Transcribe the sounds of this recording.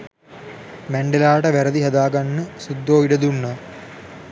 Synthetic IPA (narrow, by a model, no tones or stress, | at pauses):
mæɳɖelaːʈəʋæɾəd̪iɦɐd̪aːɡanːəsud̪ːoːiɖəd̪unːə